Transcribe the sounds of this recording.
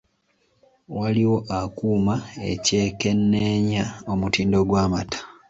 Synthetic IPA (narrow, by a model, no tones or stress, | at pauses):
waliwo̞ʔakuːmae̞ce̞ːke̞nːeɲao̞mutiːndoɡwaːmatʰḁ